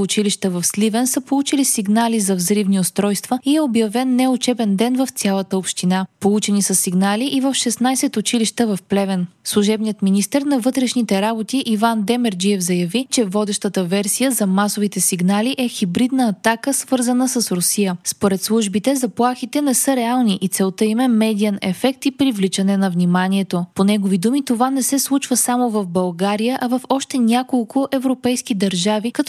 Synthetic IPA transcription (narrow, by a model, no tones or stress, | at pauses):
ʊt͡ʃiliʃt̪əvɐfslivɛnsəpolˠut͡ʃilisiɡnalizɐvzɾivniʊst̪ɾɔjst̪vəiɛobjɐvɛnːɛʊt͡ʃɛbɛnd̪ɛnvəft̪sʲjalˠət̪əopʃt̪inapolˠut͡ʃɛnisəsiɡnaliʔivəfʃɛsnajsɛt̪ʊt͡ʃiliʃt̪əvɐfplɛvɛnslˠuʒɛbnijət̪minist̪əɾnɐvɤt̪ɾɛʃnit̪ɛɾabot̪iʔivand̪ɛmɛɾd͡ʒiɛvzɐjɐvit͡ʃɛvɔd̪ɛʃt̪ət̪əvɛɾsijəzɐmasovit̪ɛsiɡnaliʔɛxibɾid̪nəːt̪akəsv̥ɤɾzənəsɐsɾosijəspoɾɛt̪slˠuʒbit̪ɛzɐplˠaxit̪ɛnɛsɤɾɛalˠniʔit̪sɛlˠt̪əimɛmɛd̪iɐnɛ̰fɛk̚t̪ipɾivlit͡ʃɐnɛnɐvnimaniɛt̪oponɛɡovid̪umit̪ovanɛsɛslˠut͡ʃvəsamovɐvbɐlˠɡaɾijəʔɐvɐfɔʃt̪ɛnʲakolˠkʰʊʔɛvɾopɛjskid̪ɐɾʒavikɐt̪